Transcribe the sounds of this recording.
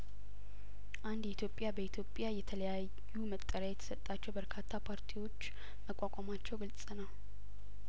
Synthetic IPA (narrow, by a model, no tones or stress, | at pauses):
ʔand̪jɛit̪ʰjo̞pʼjabəit̪ʰjo̞pʼjajɛt̪ʰələja | jumət̪ʼːəɾaajɛt̪ʰə̥sət̪ʼːat͡ʃːɛwbəɾkʰat̪ʰːapʰaɾt̪ʰiwo̞t͡ʃː | məkʷʼakʷʼamat͡ʃːɛwɡɨlsʼɨnəw